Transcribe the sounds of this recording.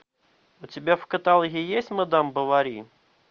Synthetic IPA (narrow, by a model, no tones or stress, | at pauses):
ʊtʲɪbʲafkət̪alˠɣʲɪjesʲtʲmɐd̪ambəvɐɾʲi